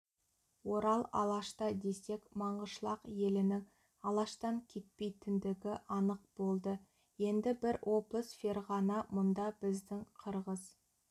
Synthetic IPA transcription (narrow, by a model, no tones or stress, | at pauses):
wo̞ɾɑlˠɑ̰lˠɑʃt̪ɑd̪e̞se̞kmɑɴʁəʃlˠɑqje̞lɪnɪŋ | ɑlˠɑʃt̪ɑŋkʲʰe̞t̪̚pe̞jt̪ɪnd̪ɪɡʲɪʔɑnəq̚b̥o̞lˠd̪ə | je̞nd̪ɪbɪɾʔo̞blˠəsferʁɑnɑmʊnd̪ɑbɪzd̪ɪŋqʰəɾʁəz